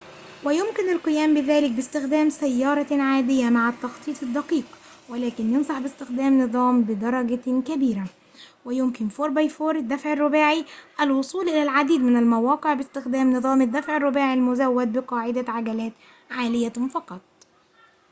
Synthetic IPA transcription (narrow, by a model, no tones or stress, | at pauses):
wɪjʊmkɪnalqɨjæːmbɪðæːlɪk̚bɪst̪ɪxd̪æːmsæjːɑːɾˤɑʕaːd̪ɪjːamaʕat̪ːɑxt̪ˤiːt̪ˤɪd̪ːɑqiːq | wɪlæːkɪnjɑnsˤɑħbɪst̪ɪxd̪æːmnɨðˤɑːmbɪd̪ɑɾˤɑɡakæbiːɾa | wɪjʊmkɪnfoːɾbajfoːɾɪd̪ːafʕɪrˤːʊbaːʕiʔælwʊsˤuːlʔɪlælʕad̪iːd̪mɪnalmawɑːqɨʕbɪst̪ɪxd̪æːmnɨðˤɑːmɪd̪ːæfʕɪrˤːʊbaːʕilmʊzæwːad̪̚bɪqɑːʕɪd̪aʕaɡælæːt̪ | ʕaːlɪjafɑqɑt̪ˤ